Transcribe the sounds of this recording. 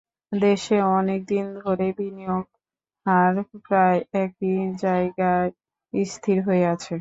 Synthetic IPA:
d̪eʃeɔnek̚d̪ind̪ʱoɾebinijoɡ̚ | haɾpɾaeɛk̚id͡ʑaeɡa | ist̪ʰiɾɦoeat͡ɕʰe

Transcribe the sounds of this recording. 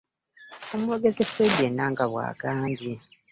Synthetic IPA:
omuwoɡezefedːenaːŋɡaβwa̰ːɡaːŋɡi

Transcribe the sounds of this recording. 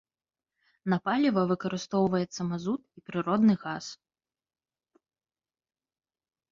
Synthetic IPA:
nɐpalʲivɐvɨkɐɾɨst̪ɔwvɐjɛt̪sːɐmazut̪̚ipɾɨɾɔd̪nɨɣas

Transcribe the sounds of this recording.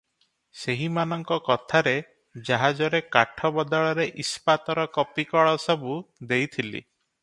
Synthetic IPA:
seɦimanɔŋkɔkɔt̪ʰaɾe | d͡ʒaɦad͡ʒɔɾekaʈʰɔbɔd̪ɔɭɔɾeʔispat̪ɔɾɔkɔpikɔɭɔsɔbud̪ejt̪ʰilḭ

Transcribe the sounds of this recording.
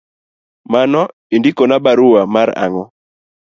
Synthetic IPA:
manɔ | indikɔnabaɾuamaɾa̰ŋɔ

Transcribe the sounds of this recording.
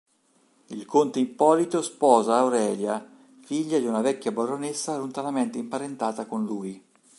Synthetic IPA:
ilkont̪eimpɔːlit̪ospɔːzaːwɾɛːlja | fiʎːad̪iunavɛkʲːjabaɾonesːalunt̪anament̪eimpaɾent̪aːt̪akonluːj

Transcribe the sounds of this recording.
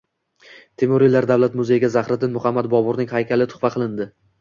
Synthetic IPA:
t̪ʰemoɾilaɾd̪avlat̪mʊzejɪɡʲazaχɾɪd̪ɪnmʊχamːad̪̚bɒbʊɾnɪŋhajkʲʰalɪt̪ʰʊ̥χvaqʰɨlˠɪnd̪ɪ

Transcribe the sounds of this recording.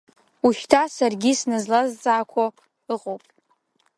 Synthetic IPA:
uʃtʰasarɡʲisnɨzlazt͡sʼaːkʷʰo | ɨqʼowpʼ

